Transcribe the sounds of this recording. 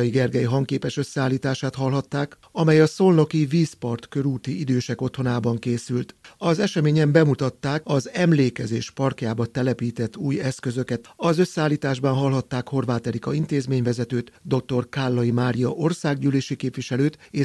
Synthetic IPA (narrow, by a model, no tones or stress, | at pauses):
iɡɛrɡɛjiɦɒŋkeːpɛʃø̞sːɛaːlːiːt̪aːʃaːt̪hɒlɦɒt̪ːaːk | ɒmɛjɒso̞lno̞kiviːspɒrt̪kø̞ɾuːt̪iid̪øːʃɛko̞t̪ho̞naːbɒŋkeːsylt̪ɒzɛʃɛmeːɲɛmbɛmut̪ɒt̪ːaːkɒzɛmleːkɛzeːʃpɒrkjaːbɒt̪ɛlɛpiːt̪ɛt̪ːuːjɛskø̞zøkɛt̪ɒzø̞sːɛaːlːiːt̪aːʒbɒnɦɒlɦɒt̪ːaːkho̞rʋaːt̪ɛɾikɒint̪eːzmeːɲvɛzɛt̪øːt̪d̪o̞k̚t̪o̞rkalːɒjimaːɾijɒʔo̞rsaːɡɟyːleːʃikeːpʋiʃɛløːt̪eː